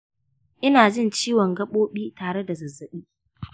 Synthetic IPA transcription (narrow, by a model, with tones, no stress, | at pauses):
ʔɪ˦naː˨d͡ʒɪ˦˨nt͡ʃiː˦wɔ˨ŋɡɐ˦ɓoː˦ɓiː˦taː˨ɽe˦da˨zɐ˨zːɐ˦ɓiː˦